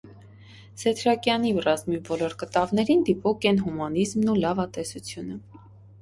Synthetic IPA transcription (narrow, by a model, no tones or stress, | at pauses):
sɛt̪ʰɾɑkjɑnirɑzmibɔlɔɾkət̪ɑvnɛɾind̪ipɔkʰɛnɦumɑnizmnulɑvɑt̪ɛsut͡sʰjunə